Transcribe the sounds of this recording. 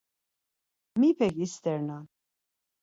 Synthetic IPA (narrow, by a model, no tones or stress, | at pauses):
mipʰɛkist̪ʰɛɾnan